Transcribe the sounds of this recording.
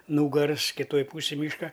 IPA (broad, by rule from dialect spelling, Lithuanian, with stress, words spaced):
ˈnuːɡɐrs kʲɪˈtoːj ˈpuːsʲɪj ˈmʲiːʃkɐ